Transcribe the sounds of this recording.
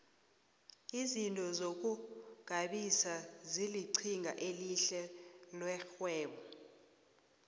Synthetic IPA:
izintʼɔzok̬ʼuɡ̥ʱaɓisaziliǀʰiŋɡʱa̰ʔeliɬɛlwɛxwɛːɓɔ

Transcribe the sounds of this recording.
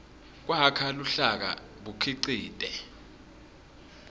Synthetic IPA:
k̬wakʰaluɬak̬a̰ | ɓukʰiǀiːtʼɛ

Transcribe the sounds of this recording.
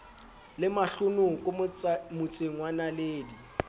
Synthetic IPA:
lɪmaɬʊnʊkʼʊmʊt͡sʼeŋwanaleːdi

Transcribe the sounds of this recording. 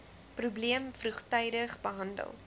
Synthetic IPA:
prubliəmfruχtœjdəχbəɦɐndə̰lˠ

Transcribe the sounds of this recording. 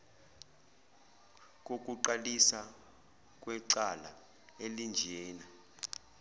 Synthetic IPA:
k̬ʼok̬ʼuǃalisa | k̬ʼwɛǀala | elind͡ʒʱɛːna

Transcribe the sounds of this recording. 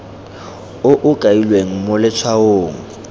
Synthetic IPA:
ʊʔʊkʼailweŋ̩mʊlɪt͡sʰwaoːŋ̩

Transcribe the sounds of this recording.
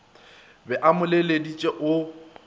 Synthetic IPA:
bɛʔamʊleledit͡ʃʼɛʔʊ

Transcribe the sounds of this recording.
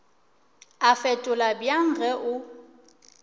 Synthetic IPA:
afɛtʼʊlabjaŋ̩ɣɛʔʊ

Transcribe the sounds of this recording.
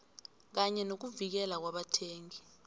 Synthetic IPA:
k̬aɲɛnok̬uvik̬ɛlak̬waɓatʰeːŋi

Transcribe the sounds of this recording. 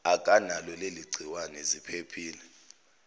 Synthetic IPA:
akʼanalɔleliɡ͡ǀʱiwanɛzipʰepʰiːlɛ

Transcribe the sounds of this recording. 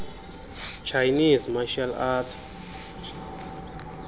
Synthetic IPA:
t͡ʃʰajnizmaʃalatʰ

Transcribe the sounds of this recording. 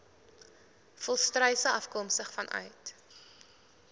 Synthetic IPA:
fɔlˠstrœjsəʔɐfkɔmstəχfɐnʔœ̰ɥt

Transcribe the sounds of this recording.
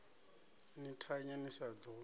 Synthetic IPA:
nitʰaɲɛniʃad͡zɔ

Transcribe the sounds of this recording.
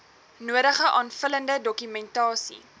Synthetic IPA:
nuəɾəχəʔɑːnfələndədɔkymɛntɑːsḭ

